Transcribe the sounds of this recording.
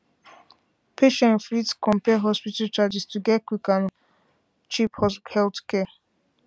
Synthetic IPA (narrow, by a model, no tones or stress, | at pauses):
pʰeʃɛ̃nflitskɔ̃mpɛɦɔspitatad͡ʒistiɡɛkʷikan | t͡ʃiphɔshɛltkɛ